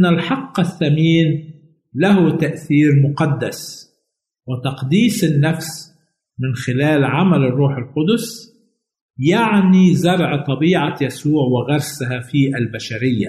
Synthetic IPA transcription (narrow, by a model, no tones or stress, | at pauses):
ʔnːalħɑqːɪθːamiːn | lahut̪aʔθiːɾmʊqɑd̪ːas | wɪt̪ɑqd̪iːsɪnːafs | mɪnxɪlaːlʕamalɪrːuːħɪlqʊd̪ʊs | jaʕnizɑɾˤʕt̪ˤɑbiːʕajasuːʕwɪɣɑɾˤsaɦafiʔalbaʃaɾɪjːa̰